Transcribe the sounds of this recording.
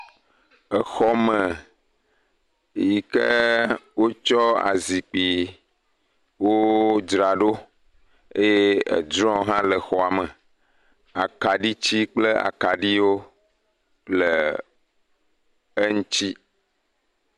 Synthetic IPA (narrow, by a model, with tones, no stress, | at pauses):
ə˨xɔ˦mə˨ | ji˨kə˦wo˦t͡ʃɔ˦a̰˨zi˨k͡pi˨ | wo˦d͡ʒɾa˨ɖo˦ | ḛ˦je˦ḛ˨d͡ʒɾɔ̃˦ɦã˦lə˨xɔ˨a˨mə˨ | a˨ka˨ɖi˦t͡ɕi˦k͡plə˦a̰˨ka˨ɖi˦wo˦ | k͡plə˨ | ə˦ŋũ˦t͡ʃi˦